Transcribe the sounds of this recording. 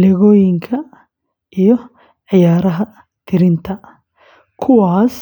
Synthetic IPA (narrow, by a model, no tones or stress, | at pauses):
lɛɣɔːjɪŋkʰɐ | ʔijɔ | ʕɪjaːɾɐɦɐ | t̪ʰɪɾɪnt̪ʰɐ | kʰʊwaːs